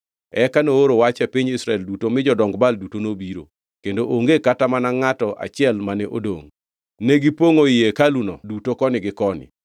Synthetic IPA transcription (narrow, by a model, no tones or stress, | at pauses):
ɛkanooɾowat͡ʃɛpiɲɪsɾaɛldutomɪd͡ʒɔdɔŋɡbaldutonobiɾo̰ | kendoʔoŋɡekatamanaŋatɔʔa̰t͡ʃɪɛlmanɛʔo̰do̰ŋ | neɡipoŋoɪjekalunɔ̰dutokɔnɪɡɪkɔnɪ̰